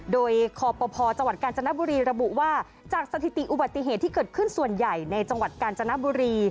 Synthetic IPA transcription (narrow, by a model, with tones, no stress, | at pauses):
doː˧jkʰɔː˧pɔː˧pʰɔː˧t͡ɕa˧ŋwa˨˩t̪̚kaː˧nt͡ɕa˧na˦˥bu˧ɾiː˧ɾa˧bu˨˩ʔwaː˥˩ | t͡ɕaː˨˩k̚sa˧t̪ʰi˨˩t̪i˨˩ʔu˨˩ba˨˩t̪ːi˨˩ɦeː˨˩t̪ʰːiː˥kɤː˨˩t̪̚kʰɯ˥˩nsu˨˩ənja˨˩jna˧jt͡ɕa˧ŋwa˨˩t̪̚kaː˧nt͡ɕa˧na˦˥buː˧ɾiː˧